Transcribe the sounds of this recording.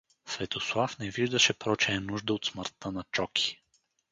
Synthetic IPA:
svɛt̪oslˠafnɛviʒd̪əʃɛpɾɔt͡ʃɛɛnuʒd̪əot̪sməɾt̪ːənɐt͡ʃɔkʰʲi̥

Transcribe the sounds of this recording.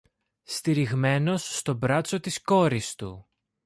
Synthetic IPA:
st̪iɾiɣme̞no̞sːt̪o̞bɾɐt͡so̞t̪isko̞ɾist̪ṵ

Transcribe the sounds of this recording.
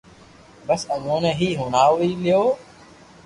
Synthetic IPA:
bəsəɡõːnẽːɦiːɦoːnaːoiːlɪjoː

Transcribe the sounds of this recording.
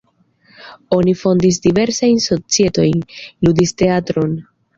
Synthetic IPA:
o̞nifo̞ndis̬dive̞ɾsajnso̞t͡sie̞to̞jnludiste̞atɾo̞n

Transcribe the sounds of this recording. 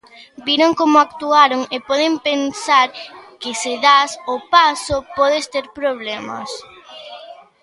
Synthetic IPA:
biɾoŋkomʊakt̪uaɾoŋepɔðɪmpensaɾkɪsɪðasopasopɔðest̪eɾpɾoβ̞lɛmɐ̰s

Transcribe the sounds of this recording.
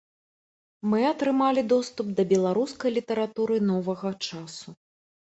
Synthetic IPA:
mɨɐt̪ɾɨmalʲid̪ɔst̪up̚d̪ɐbʲɛlˠaɾuskɐjlʲit̪ɐɾat̪uɾɨn̪ɔvɐɣɐt͡ʂasu

